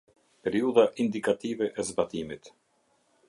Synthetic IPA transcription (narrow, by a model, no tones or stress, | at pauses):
pɛɾiuðaʔind̪ikat̪ivɛʔɛzbat̪imit̪